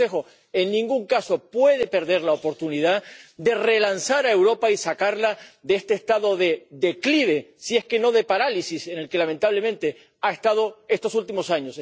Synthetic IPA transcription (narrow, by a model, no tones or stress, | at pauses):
exo̞ | e̞nnĩŋɡuŋkaso̞pwe̞ð̞e̞pe̞ɾðe̞ɾlaopo̞ɾt̪uniðad̪e̞re̞lansaɾae̞wɾo̞paisakaɾlaðeest̪eːst̪aðo̞ðe̞ðe̞kliβ̞e̞sie̞ske̞no̞ðe̞paɾalisise̞ne̞lke̞lament̪aβle̞mẽ̞nt̪e̞ | ae̞st̪að̞o̞e̞st̪o̞sult̪imo̞saɲos